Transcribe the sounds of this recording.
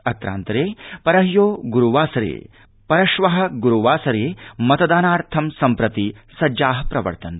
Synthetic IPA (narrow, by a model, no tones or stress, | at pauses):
ɐt̪ɾa̰ːnt̪ɐɾeːpɐɾɐɦjoːɡuɾuʋaːsɐɾḛː | pɐɾɐʃʋɐɦɐ̆ɡuɾuʋaːsɐɾeːmɐt̪ɐd̪aːnaːɾt̪ʰɐmsɐmpɾɐt̪isɐd͡ʒaːɦɐpɾɐʋɐ̰ɾt̪ɐnt̪